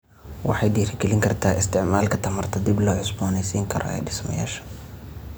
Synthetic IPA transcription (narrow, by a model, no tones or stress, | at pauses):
wɑħɑjd̪iːɾɪɡɛlɪŋkʰɐrt̪ʰaːʔɪst̪ʰɪʕmaːlkʰɐt̪ʰɐmɐrt̪ʰɐd̪ɪblɔːʕʊsbɔːnɛjsiːŋkʰɐɾɔ̰ɛ̰ːɖɪsmɐ̰ja̰ːʃɐ̥